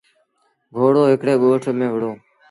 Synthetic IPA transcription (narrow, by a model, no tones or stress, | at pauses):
ɡʱoːɽoːɦɪkɽeːɠoːʈʰmẽːʋəɽoː